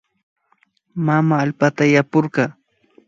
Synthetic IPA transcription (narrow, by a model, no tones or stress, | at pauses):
mamaːlpat̪ajapʊɾɢɑː